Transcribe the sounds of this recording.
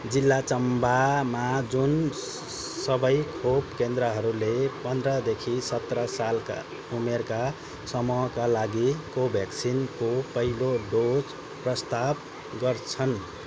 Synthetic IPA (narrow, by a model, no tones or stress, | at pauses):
d͡zilːat͡sʌmbamad͡zun | sʌbʌjkʰopkend̪ɾʌɦʌɾulepʌnd̪rʌd̪ekʰisʌt̪rʌsalka̰ | umerka | sʌmuɦʌkalaɡikobʱjaksʰinkopʌɦiloɖod͡z | prʌst̪ab | ɡʌrt͡sʰʌn